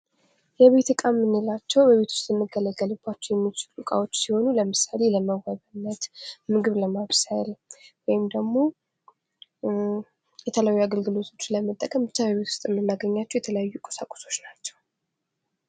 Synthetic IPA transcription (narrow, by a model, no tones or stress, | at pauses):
jɛβe̞t̪ɨkʼamːɨnːelat͡ʃːɛwbəβe̞t̪ʰwʊ̥st̪ʼjɛmːɨɡələɡːəlɨb̥ːat͡ʃːɛwjɛmːit͡ʃɪlukʼa̰wo̞t͡ʃːsiho̞nuləmɨsale̞ləməwaβənːət̪mɨɡɨβləmaβsajlwɔjɪmd̪əɡmo̞ | jɛt̪ʰələajːuaɡəlɡɨlo̞t̪ʰo̞t͡ʃːləmət̪ʼːəkʼəmɨt͡ʃ̪ʰːawəβet̪ʰu̥st̪ʼɨmːɨnːaɡəɲːat͡ʃːɛwjɛt̪ʰələjajːukʼə̥sakʷʼo̥so̞t͡ʃːnat͡ʃːɛ̥w